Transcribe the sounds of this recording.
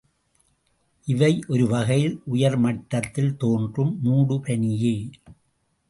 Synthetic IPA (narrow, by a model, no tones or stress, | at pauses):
ʔɪʋɐɪʔɔɾɯʋɐɣɐjɪlʔʊjɐɾmɐʈːɐt̪ːɪlt̪oːndrɯmːuːɽɯpɛɳɪje